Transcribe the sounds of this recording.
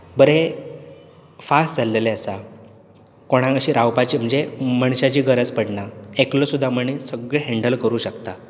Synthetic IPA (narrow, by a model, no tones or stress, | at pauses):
bəɾe | fasʈd͡zalːeleəsa | koɽ̃ãəɕiːɾawpat͡ɕiːm̤əɳd͡zeməɳɕat͡ɕiːɡəɾəd͡zpəɽɳaeklosud̪ʱːaməɳesəɡɭeɦeɳɖəlkəɾuːɕəkt̪a